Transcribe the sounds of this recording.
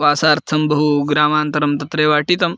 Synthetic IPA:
ʋaːsaːɾt̪ʰɐmbʱɐɦuɡɾaːmaːnt̪ɐɾɐmt̪ɐt̪ɾeːʋaːʈit̪ɐm

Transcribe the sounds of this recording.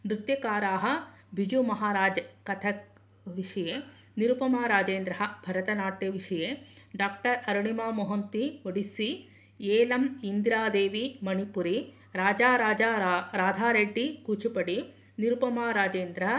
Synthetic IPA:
nɾut̪jɐkaːɾaːɦɐ̆ | bʱid͡ʒumɐɦaːɾaːd͡ʒɐkɐt̪ʰɐ | ʋiʂɐje | niɾupɐmaːɾaːd͡ʒeːnd̪ɾɐɦɐ̆bʱɐɾɐt̪ɐnaːʈjɐʋiʂɐjeɖaːk̚ʈɐɾɐɾuɳimaːmɔɦɐnt̪iʋoɽisi | eːlɐmind̪ɾaːd̪eːʋimɐnipuɾi | ɾaːd͡ʒaːɾaːd͡ʒaɾaːd̪ʱaːɾeʈːikuːt͡ʃupɐɽi | niɾupɐmaːɾaːd͡ʒeːnd̪ɾɐɦɐ

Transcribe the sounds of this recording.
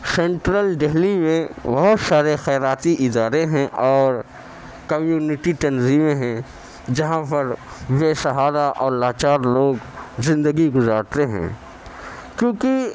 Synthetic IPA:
sẽːɳʈɾəlɖeɦlimẽbɐɦʊt̪saːɾexɛːɾaːt̪iʔɪd̪aːɾeɦɛ̃ʔɔːɾ | kɐmjuːnɪʈit̪ɐnziːmeɦɛ̃ | d͡ʒɐɦãpɐɾʋeːsɐɦaːɾaʔɔːɾlaːt͡ʃaːɾloːɡzɪ̃nd̪əɡiɡʊzaːɾt̪eɦɛ̰̃ː | kjõːki

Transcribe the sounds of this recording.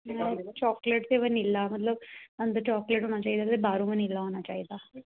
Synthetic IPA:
t͡ɕɔkleʈt̪eʋənilːamət̪ləb̪and̪ət͡ɕɔkleʈoɳat͡ɕaid̪at̪ebʱaɾũʋənilːaɦonat͡ɕait̪a

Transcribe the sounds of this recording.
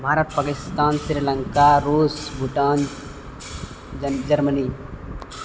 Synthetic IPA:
mʱaːɾat̪pakɪst̪aːnsiɾlə̃ŋkaɾuːsbʱuʈaːn | d͡ʒɐɾməniː

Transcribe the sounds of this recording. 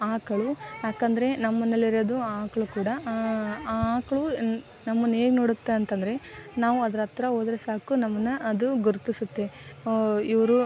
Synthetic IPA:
aːkɐɭujaːkɐnd̪ɐɾe̞nɐmːɐnːɐlːiɾɐd̪uaːkɐɭukuːɽɐ | aːkɐɭu | nɐmːɐnːeːɡno̞ːɽut̪ːeɐnt̪ɐnd̪ɐɾe̞naːʋuɐd̪ɐɾɐt̪ɾɐoːd̪ɐɾesaːkunɐmːɐnːɐɐd̪uɡuɾt̪isut̪ːe̞ | iʋɐɾu

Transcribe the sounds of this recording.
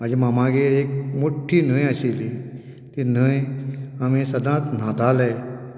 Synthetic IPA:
ad͡ʒemamãɡeːɾeːkmoʈʰːiːnəːj̃əsiːli | t̪in̤ə | amĩsɐd̪ãːt̪nãːd̪aːle

